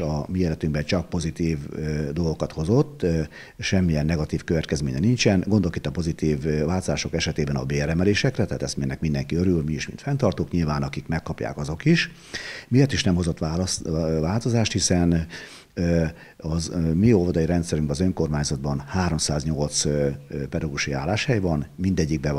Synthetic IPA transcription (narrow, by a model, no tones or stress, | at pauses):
ɒmieːlɛt̪yŋɡbɛt͡ʃɒk̚po̞zit̪iːvd̪o̞lɡo̞kɒt̪ho̞zo̞t̪ː | ʃɛmːijɛnːɛɡɒt̪iːfkøvɛt̪kɛzmḛːɲɛnint͡ʃɛnɡond̪olokit̪ːɒpo̞zit̪iːvːaːlt̪ozaːʃo̞kɛʃɛt̪eːbɛnɒ̰beːrɾɛmɛleːʃɛkrɛt̪ɛɦːt̪ɛst̪menɛkmind̪ɛŋkiøɾylmiiʃmḭnt̪fɛnt̪ɒrt̪oːkɲilvaːnɒkikmɛkːɒpja̰ːkɒzo̞kiʃ | mijɛrt̪iʃnɛmho̞zo̞t̪avaːlt̪o̞zaːʃt̪hisɛn | ɒzmiolvɒd̪ɒjiɾɛnt̪sɛɾyŋbɛɒzø̞ŋko̞rmaːɲzɒd̪̚bɒnhaːɾo̞msaːzɲo̞lt̪spɛd̪ɔɡuʃia̰ːlːaːʃhɛjvɒnmind̪ɛɟːiɡ̚bɛ